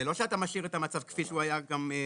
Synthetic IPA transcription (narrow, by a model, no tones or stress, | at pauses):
elo̞ʃeat̪amaʃiʁet̪amat͡savkfiʃuajaɡam